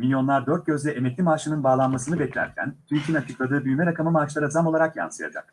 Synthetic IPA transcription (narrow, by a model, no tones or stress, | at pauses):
milʲjo̞nlˠaɾd̪øɾt̪̚ɟʲø̞zlʲɛʔemɛclʲimaːʃɯnɯnbaːlˠanmasɯnɯbɛclʲæ̰ɾcʰæ̰nt̪ʰyɾcʰʲinat͡ʃʰɯklˠad̪ɯːbyjymɛɾakʰamɯmaːt͡ʃlˠaɾad͡ʒamo̞lˠaɾakja̰nsɯja̰d͡ʒa̰kk